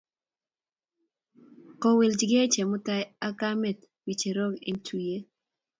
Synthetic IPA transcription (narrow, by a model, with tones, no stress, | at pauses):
kɔ˨we˨ld͡ʒɡe˦t͡ʃe˨mʊ˦ta˦ja˦ɡa˦mɛ˨t | wi˨t͡ʃe˨ɾo˦ɡḛ˦ntʰu˨je˦